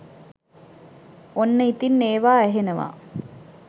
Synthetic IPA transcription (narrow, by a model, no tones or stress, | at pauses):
onːəit̪inːeːʋaːæɦenəʋa̰